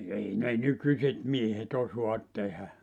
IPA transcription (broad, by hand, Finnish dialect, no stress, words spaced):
ei ne nykysʲet miehet osoɑt tehæ